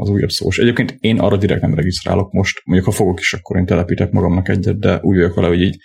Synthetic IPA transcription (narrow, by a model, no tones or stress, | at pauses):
ɒ̰zuːjɒ̰bso̰ːʃɛɟeːp̚keːnt̪eːnʔɒ̰ːrːɒd̪iɾɛ̰k̚t̪nɛmrɛɡist̪ɾa̰ːlo̞k̚mo̞ʃt̪moɲɟukhɒfo̞ɡo̞ki̥ʃɒkːo̞ɾeːnt̪ɛlɛpiːt̪ɛkmɒɡɒmnɒkɛɟːɛt̪̚d̪ɛʔuːɟʋɒjokʋɛlɛɦo̞ɟiːɟ